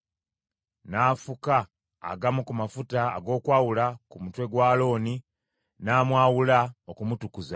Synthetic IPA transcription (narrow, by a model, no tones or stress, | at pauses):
naːfuka̰ː | ɡamukumafuta̰ːɡo̞ːkwaːwulakumutwe̞ɡwaːlo̞ːni | naːmwaːwulaokumutukuza